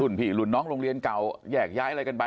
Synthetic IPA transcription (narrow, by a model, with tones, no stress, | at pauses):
u˨˩npʰiː˨˩lu˨˩nːɔː˦˥ŋɾoː˧ŋɾi˧ənka˨˩wjɛː˨˩k̚jaː˦˥jʔa˧ɾa˧jka˧nba˧